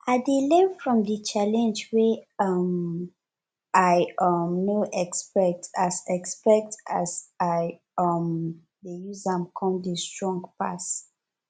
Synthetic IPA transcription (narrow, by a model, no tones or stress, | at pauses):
aɪdelɛ̃nfɹɔ̃mdət͡ʃalɛ̃nd͡ʒweʌm | aʌmnoʔɛkspɛk̚tasɛkspɛk̚tasa | ʌm | dejuzãmkʰɔ̃mdəstɹɔ̃ŋɡpa̰s